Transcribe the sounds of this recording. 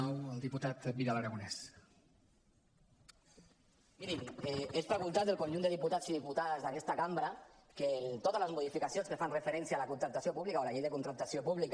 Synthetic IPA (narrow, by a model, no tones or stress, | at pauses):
ɔwəlˠd̪iput̪at̪biðaləɾaɣunɛs | miɾimɛespɾaɣunt̪at̪ðeəlˠkonʲʒund̪əðiput̪at͡siðiput̪aðəzðakɛst̪akambɾa | ket̪ot̪ələzmuðifikasionskəfanrəfəɾɛnsjaːləkunt̪ɾəp̚t̪asiopuβlikaolaʎejðəkunt̪ɾəp̚t̪asiopuβlik